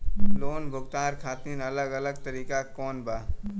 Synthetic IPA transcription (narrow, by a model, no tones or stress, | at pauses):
loːnbʱʊɡt̪aːɾkʰaːt̪niːnɐləɡɐləɡ̚t̪ɐɾiːkakɔːnbaː